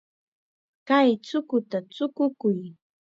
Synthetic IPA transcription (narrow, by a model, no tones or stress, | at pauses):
kajt͡sʊkʊt̪at͡sʊkʊkʊj